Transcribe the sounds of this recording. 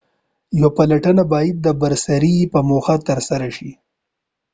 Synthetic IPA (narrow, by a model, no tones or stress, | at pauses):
jwapalaʈənabɑjad̪̚ːəbaɾsaɾipəmoxat̪əɾsaɾaʃi